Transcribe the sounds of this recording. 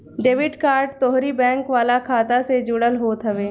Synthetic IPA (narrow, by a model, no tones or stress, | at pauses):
ɖeːʋɪɖkaːɾɖt̪oːɦɾibɛ̃ːŋkʋaːlakʰaːt̪ased͡ʒʊɽəlɦoːt̪ɦəʋeː